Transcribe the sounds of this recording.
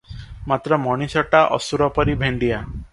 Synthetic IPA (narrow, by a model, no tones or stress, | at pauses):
mat̪ɾɔmɔɽ̃isɔʈaʔɔ̰suɾɔpɔɾibʱeɳɖija